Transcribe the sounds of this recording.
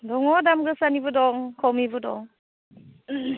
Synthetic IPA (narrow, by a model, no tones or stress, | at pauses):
dɔŋɔdamɡɯsanibɯdɔŋkʰɔwmibɯdɔ̰ŋ